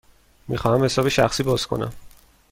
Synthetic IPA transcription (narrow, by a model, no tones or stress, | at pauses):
mixɒːhæmhe̞sɒːbeʃæxsiːbɒːz̥kʰo̞̰næ̰m